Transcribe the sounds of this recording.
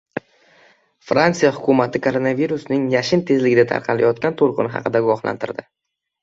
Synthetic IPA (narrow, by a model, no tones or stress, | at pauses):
fɾant̪sijahʊkʲʰʊmat̪ʰɪkʰoɾonaviɾʊsnɪŋjaʃɪnt̪ʰe̞zlɪɡʲɪd̪at̪ʰa̰ɾqʰɑla̰jɒt̪̚kʲant̪ʰolˠqɨ̰nɪɦɑ̰qʰɨd̪aɡʊwɒχla̰nt̪ʰɪɾd̪ɪ